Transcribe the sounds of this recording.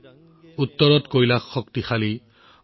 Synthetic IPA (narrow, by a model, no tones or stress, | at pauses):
utːɔɹɔtkojlakːɔktixali